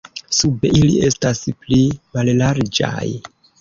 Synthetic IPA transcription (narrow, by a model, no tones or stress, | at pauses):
subeʔilie̞stasplimallaɾd͡ʒa̰j